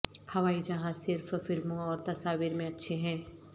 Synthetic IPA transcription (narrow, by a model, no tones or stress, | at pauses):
hɐʋaːid͡ʒɐɦãsɪɾffɪlmõɔːɾt̪ɐsaːʋiːɾmẽɐtːʃʰeɦɛ̃ː